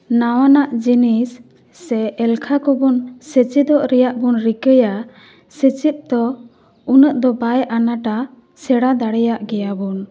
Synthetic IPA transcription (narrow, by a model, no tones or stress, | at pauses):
nawanaʔd͡ʒinisː | ɛɛlkʰakɔbɔnsət͡ʃid̪ɔʔɾɛjaʔbɔnɾikəja | sət͡ʃit̪̚ˀd̪ɔ | unəʔd̪ɔbajʔanaʈa | sɛɽad̪aɽɛjaʔɡɛjabɔn